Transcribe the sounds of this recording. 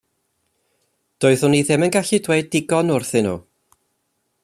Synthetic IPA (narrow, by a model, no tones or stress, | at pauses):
d̥oːɨðʊniðɪmənɡaɬidweɨdɪɡɔnʊrθɪnṵː